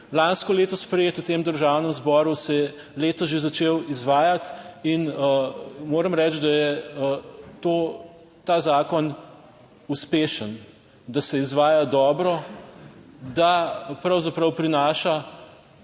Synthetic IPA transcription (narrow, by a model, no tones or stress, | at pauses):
lanskɔleːt̪ɔspɾɛjeːt̪ut̪eːmd̪əɾʒawnəmzbɔːɾusɛ | leːt̪ɔʒezat͡ʃeːwizʋaːjat̪inəmoːɾəmɾɛt͡ʃd̪ajɛ | t̪o | t̪aːzaːkɔn | uspeːʃən | d̪asɛizʋaːjad̪ɔːbɾɔ | d̪apɾɐwzapɾɐwpɾinaːʃa